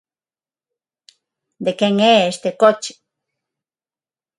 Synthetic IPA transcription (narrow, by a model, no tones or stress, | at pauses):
d̪ekeŋeeʃt̪ekot͡ʃi̥